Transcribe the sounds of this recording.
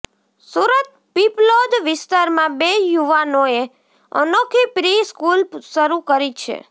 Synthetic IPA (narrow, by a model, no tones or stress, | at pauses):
suɾət̪̚ | piplod̪ʋɪst̪aɾmãbejuʋanoe | ə̰nokʰipɾiskulʃəɾukəɾit͡ʃʰḛ